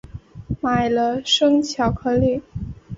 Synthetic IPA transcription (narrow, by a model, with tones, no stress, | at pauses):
ma˨˩ɪlə˦ʂɤ˥ŋt͡ɕʰjɑ˧˥ʊkʰɤ˧˥li˥˨˩